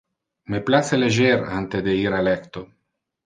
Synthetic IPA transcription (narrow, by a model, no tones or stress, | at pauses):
meplaseleʒeɾant̪ed̪eiɾalɛkt̪o